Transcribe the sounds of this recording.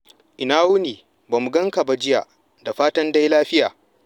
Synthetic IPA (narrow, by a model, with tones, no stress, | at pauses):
ʔɪ˨naː˦wʊ˦niː˨ | baː˨mu˨ɡɐ˦ŋka˨ba˦d͡ʒɪ˦ja̰˨ʔ | da˨ɸaː˦tɐ˦nda˦jlaː˦ɸɪ˦jaː˨